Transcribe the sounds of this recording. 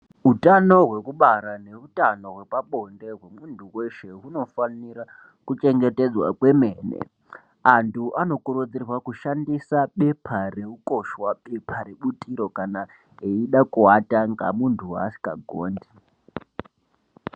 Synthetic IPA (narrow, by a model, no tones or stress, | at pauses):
utano̞ɦwe̞kuɓaɾane̞utano̞ɦwe̞paɓo̞nde̞ɦwe̞muntuweʃe̞ɦuno̞faniɾa | kut͡ʃe̞ŋɡe̞te̞d͡zwa̰kwe̞me̞nḛ | antʰuʔano̞kuɾud͡zirwakuʃandisaɓe̞pʰareuko̞ʃwaɓepʰaɾeɓutiɾo̞kana | eiɗakuataŋɡa̰muntʰua̰si̥ka̰ɡʱoːndi